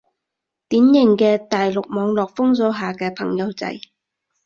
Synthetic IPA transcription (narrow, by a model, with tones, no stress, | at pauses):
t̪iː˨˥njɪ˨˩ŋkɛː˧t̪aː˨jlʊ˨k̚mɔː˨˧ŋlɔː˨˩k̚fʊ˥ŋsɔː˨˥ɦaː˨kɛː˧pʰɐ˨˩ŋjɐ˨˧wt͡sɐ̰˨˧j